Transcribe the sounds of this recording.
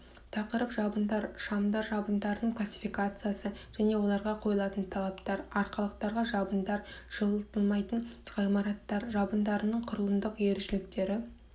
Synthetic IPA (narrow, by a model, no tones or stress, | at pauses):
t̪ʰɑqəɾəpʒɑbənd̪ɑɾʃɑmd̪ɑɾʒɑbənd̪ɑɾənəɴqʰlˠasʲːi̥fijkat̪sɨjasəʒ̥æne̞wo̞lˠɑɾʁɑqʰo̞jəlˠɑt̪ənt̪ʰɑlˠɑpt̪ɑɾɑɾqɑlˠəq̚t̪ɑɾʁɑʒɑbənd̪ɑɾʒ̥əlˠəlˠt̪əlˠmɑjt̪ənʒɑjmɑɾɑt̪ːɑɾʒɑbənd̪ɑɾənəɴqʰʊɾəlˠənd̪əqje̞ɾɪʃɪlɪk̚t̪e̞ɾɪ